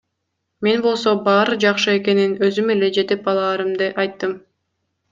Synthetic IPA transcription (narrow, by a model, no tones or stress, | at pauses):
me̞nbo̞lˠso̞bɑːɾɯd͡ʒɑqʃɯe̞ke̞ninø̞zyme̞le̞d͡ʒe̞t̪ep̚ɑlˠɑːɾɯmd̪ɯʔɑjt̪ːɯm